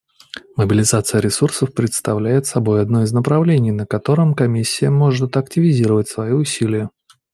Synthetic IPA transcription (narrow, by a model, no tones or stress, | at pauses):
məbʲɪlʲɪzat̪sɨjəɾʲɪsursəfpɾʲɪt̪st̪ɐvlʲæjɪt̪sɐbo̞jɐd̪no̞ɪznəpɾɐvlʲenʲɪjnəkɐt̪o̞ɾəmkɐmʲisʲːɪjəmo̞ʐɨt̪ɐktʲɪvʲɪzʲiɾəvət̚ʲsvɐjiʊsʲilʲɪjə